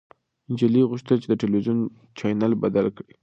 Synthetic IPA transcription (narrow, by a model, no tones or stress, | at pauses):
ɪnd͡ʒaliɣʊʃt̪əlt͡ʃed̪əʈelwizijon | t͡ʃɑjnalbad̪alkɽi